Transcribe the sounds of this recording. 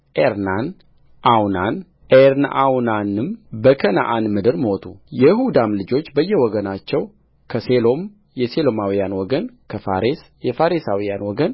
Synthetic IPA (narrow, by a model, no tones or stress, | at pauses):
ʔeɾnan | ʔawnan | ʔeɾnʔawnanɨmbəkʰəna̰ʔanmɨd̪ɨɾmo̞t̪ʰujɛjhud̪amlɨd͡ʒo̞t͡ʃːbəjːɛwɔɡənat͡ʃːɛw | kʰəselo̞m | jɛselo̞mawijanwɔɡənkʰəfa̰ɾes | jɛfaɾesawijanwɔɡən